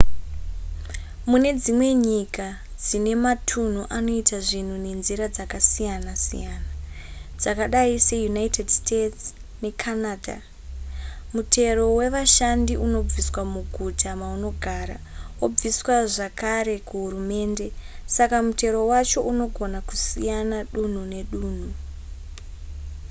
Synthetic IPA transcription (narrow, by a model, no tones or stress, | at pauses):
mune̞d͡zimwe̞ɲika | d͡zine̞matʰun̤uʔano̞itʰaʐin̤une̞nziɾad͡zakasijanasḭjanad͡zakaɗaise̞junaitedstets | ne̞kʰanaːdʱa̰ | mute̞ɾo̞we̞ʋaʃandiʔuno̞b͡viswamuɡʱutʰamauno̞ɡʱaːɾa | ob͡viswaʐakaɾe̞kuɦuɾume̞nde̞sakamute̞ɾo̞wat͡ʃo̞ʔuno̞ɡʱo̞naku̥sijanaɗun̤une̞ɗuːn̤u